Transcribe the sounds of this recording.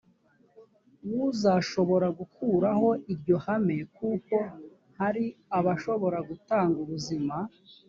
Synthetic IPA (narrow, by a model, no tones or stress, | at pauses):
wuzaʃo̞βo̞ɾaɡukuɾaho̞ʔiɾɟo̞hame̞kuːko̞ | haɾiaβaʃo̞βo̞ɾaɡutaːŋɡuβuzima